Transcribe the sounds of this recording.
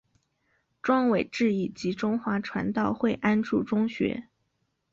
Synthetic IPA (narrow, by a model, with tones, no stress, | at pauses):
ʈ͡ʂwɑ˥ŋwe˨˩ɪʈ͡ʂɻ̩˥˧i˥˩t͡ɕi˧˥ʈ͡ʂʊ˥ŋxwa˧˥ʈ͡ʂʰwa̰˧˥nt̪ɑ˥˧ʊxwe˥˩ɪʔa˥nʈ͡ʂu˥˩ʈ͡ʂʊ˥ŋɕɥɛ̰˧˥